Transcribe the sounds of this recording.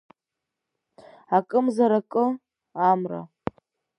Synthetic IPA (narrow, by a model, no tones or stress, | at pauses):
akʼɨmzaɾakʼɨ | amra̰